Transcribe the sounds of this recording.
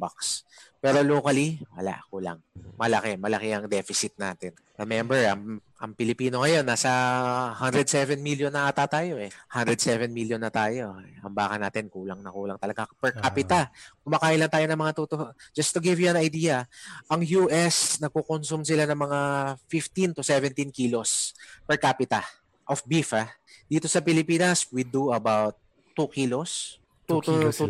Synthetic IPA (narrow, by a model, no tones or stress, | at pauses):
ba̰kspɛːɾo̞loːkɐliwɐ̰la̰ʔkuːla̰ŋmɐlɐ̰kɛmɐlɐkɛɐŋd̪ɛfɪsɪt̪̚na̰ːt̪ɪn | ɹɛmɛmbɛɹʔɐŋʔɐŋpɪlɪpiːno̞ŋɐjo̞nːaːsɐhand̪ɾɛd̪sɛvɛnmiljonːɐʔɐt̪at̪aːjo̞ʔɛhand̪ɾɛd̪sɛvɛnmiljonːɐt̪aːjo̞ʔɐmbaːkɐnaːt̪ɪnkuːlɐŋnɐkuːlɐŋt̪ɐlɐɡapɛɹkaːpɪt̪ɐkʊmɐkaːʔɪlɐnt̪aːjo̞nɐŋmɐŋat̪ut̪ohod͡ʒɐst̪ʊɡɪvjuɐ̃nɐjd̪iːjɐʔɐŋjuʔɛsnɐɡ̚kokonsumsɪlanɐŋmɐŋafift̪ĩnt̪ʊsɛvɛnt̪inkiːlo̞spɛɹkaːpɪt̪ɐ | ʔofbifɐ | d̪̥iːt̪o̞sɐpɪlɪpiːnɐswid̪uɐbawt̪̚ː | ukilos | t̪ː